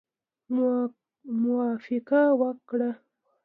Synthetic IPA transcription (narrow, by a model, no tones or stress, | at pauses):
mʊaːfɪqawakɽa